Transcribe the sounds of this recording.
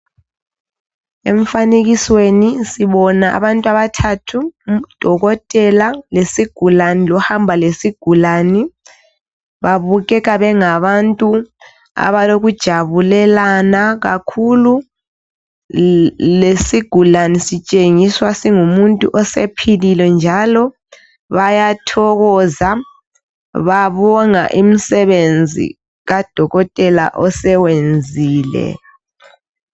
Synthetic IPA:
ḛɱfaneɣiswenisiβɔnaa̰βantʼwaβatʰatʰud̥ʱɔɣɔtʼɛlalesiɡ̥ʱulanilɔhambʱalesiɡ̥ʱulani | βaβuɣɛɣaβɛŋaβantʼu | a̰βaloɣud̥ʒ̥ʱaβulɛlanaɣa̰kʰulu | lesiɡ̥ʱulanisit͡ʃʼeŋiswasiŋumuntʼuʔɔsepʰililɛnd͡ʒʱalɔ | βajatʰɔɣɔza | βaβɔŋa̰ʔimisɛβend͡zʱḭ | ɣad̥ʱɔɣɔtʼɛla̰ʔɔsɛwend͡zʱiːlɛ̰

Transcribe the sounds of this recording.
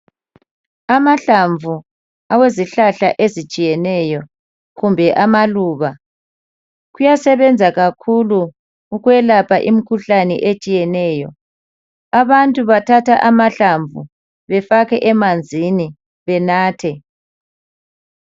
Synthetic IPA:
amaɬaɱvʱu | aweziɬaɬa̰ʔezit͡ʃʼijɛnɛjɔ | ɣumbʱɛʔamaluːβa | ɣujasɛβɛnd͡zʱaɣakʰuluː | ɣwɛlapʰaʔḭmikʰuɬanɛ̰ʔet͡ʃʼijɛnɛːjɔ | aβantʼuβatʰatʰaʔamaɬaɱvṵ | βɛfaɣɛʔɛmand͡zʱini | βɛnaːtʰɛ

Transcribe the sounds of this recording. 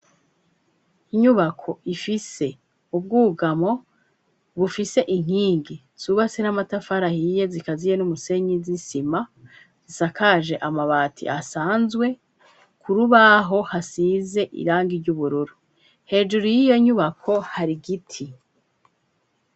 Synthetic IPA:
iɲuβakʰo̞ifise̞ | ub̚ɡuːɡamo̞ | βufise̞ʔiŋ̥hiːŋɡi | z̥uβasenamatafaɾahije̞zikazije̞numuse̞ɲizisima | z̥isakaʒe̞ʔamaβaːtʰḭʔasaːnzɡwe̞ | kʰuɾuβaɦo̞hasize̞ʔḭɾaːŋɡiɾɟuβuɾuɾu | he̞ːd͡ʒuɾujijo̞ɲuβakʰo̞haɾiɡitʰi

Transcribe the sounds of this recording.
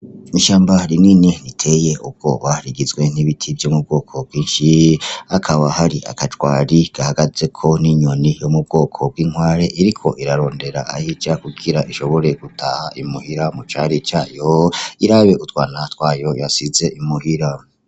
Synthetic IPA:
iʃaːmbaɾiniːnenitʰe̞je̞ṵb̚ɡ̥o̰βaɾiɡizɡwe̞n̥iβitʰibjomub̚ɡo̞ːkʰo̞b̚ɡwiːnʃiakʰaβahaɾiʔa̰kʰat͡ʃwaːɾiɡ̥ahaɡaze̞kʰo̞niɲo̞nijomub̚ɡo̞ːkʰo̞b̚ɡiːŋ̥waːɾe̞ʔiɾikʰo̞ʔiɾaɾo̞ːnde̞ɾa̰ʔa̰hid͡ʒakuɡiɾaʔiʃo̞βo̞ɾe̞ɡ̥utʰa̰haʔimuhiɾamut͡ʃaɾit͡ʃaːjoiɾaβe̞utwaːnatwaːjo̞jasize̞ʔimuhiɾa

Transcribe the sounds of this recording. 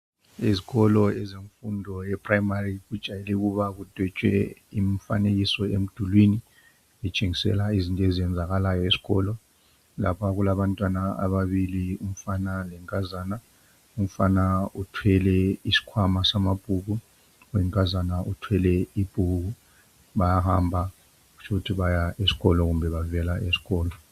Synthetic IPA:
iziɣɔlɔɛzeɱfundʱɔjɛpʰʼrajmarik̬ud̥ʒ̥ʱajelɛk̬uɓak̬ud̥ʱwɛt͡ʃʼwɛ̰iɱfa̰nek̬isɔḛm̩d̥ʱulwini | ɓɛt͡ʃʼeŋisɛ̰laizintʼɔeziɛnd͡zʱaɣalajɔisi̥kɔ̰lɔ | la̰pʰak̬ulaɓantʼwanaa̰ɓaɓilium̩fanalɛŋkʼazaːna | um̩fanautʰwɛlɛisi̥kʰwamasamab̥ʱuk̬u | wɛŋkʼazanaʔutʰwɛlɛib̥ʱuk̬u | ɓajahambʱa | k̬u̥t͡ʃʰukutʰiɓajaesi̥kɔlɔk̬umbʱɛɓavɛlaʔesi̥kɔːlɔ

